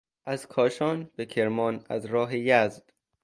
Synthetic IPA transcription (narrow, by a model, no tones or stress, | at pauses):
ʔæz̥kʰɒːʃɒːnb̥e̞cʰe̞ɾmɒːnæ̰zɾɒːɦejæzd̪̥